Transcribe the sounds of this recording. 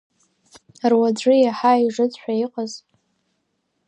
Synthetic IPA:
rwad͡ʒʷɨjaħaiʐɨt͡sʷʼħʷᶣaiqʼaz

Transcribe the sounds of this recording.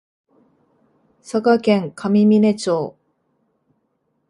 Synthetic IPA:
sakakẽ̞ŋkʰamʲimʲine̞t͡ɕoː

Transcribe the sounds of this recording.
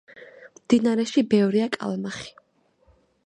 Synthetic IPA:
md̪inaɾɛʃibɛvɾiakʼa̰lˠmaχi̥

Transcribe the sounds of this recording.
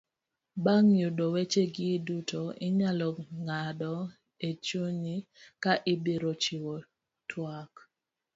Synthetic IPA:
baŋjudowet͡ʃeɡɪdutʰoɪɲalɔŋadɔ | et͡ʃoɲikaʔɪbeɾot͡ʃiwo | tʰwak

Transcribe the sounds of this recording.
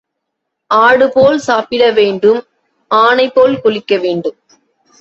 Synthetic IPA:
ʔaːɽɯpoːlsaːpɪɽɐʋeːɳɖɯm | ʔaːnɐɪpːoːlkʊɭɪkːɐʋeːɳɖɯm

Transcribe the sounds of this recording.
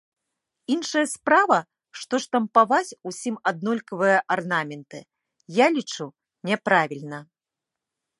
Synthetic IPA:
inʂɐjɐspɾavɐ | ʂt̪ɔʂt̪ɐmpavat͡sʲusʲimad̪̚nɔlʲkɐvɨjɐʔarnamʲɛnt̪ɨ | jalʲit͡ʂu | nʲɛpɾavʲilʲnɐ

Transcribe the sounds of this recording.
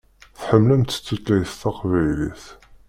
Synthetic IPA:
θħəmːlæmt̪ːə̥t͡sːut̪læjθt̪ɑqvæjlḭθ

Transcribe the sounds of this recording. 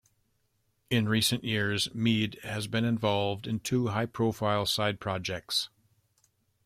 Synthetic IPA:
ɪ̃nɹisɨ̃nʔjɪɹzmidhɨzbɨ̃nɨ̃ɱvɑlˠvdɨ̃ntʰuɦaɪpʰɹ̥oʊfaɪlˠsaɪd̚pʰɹ̥ɑd͡ʒɛk̚ts

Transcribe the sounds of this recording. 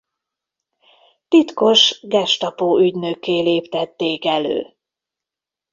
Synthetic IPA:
t̪it̪ko̞ʃɡɛʃt̪ɒpoːyɟnøkːeːleːpt̪ɛt̪ːeːkɛlø̰ː

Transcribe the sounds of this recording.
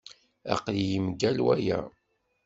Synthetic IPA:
æ̰qljəmɡælwæjæ

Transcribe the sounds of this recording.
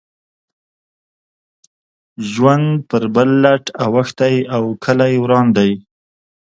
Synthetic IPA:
ʒwand̪pəɾbəlːaʈawaxt̪ajawkʰəlajwɾɑnd̪aj

